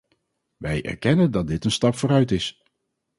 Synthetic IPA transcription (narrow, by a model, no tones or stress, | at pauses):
ʋɛjʔɛ̰ɹkɛnəndɑt̚dɪtənstɑpfoːɾœɥtɪs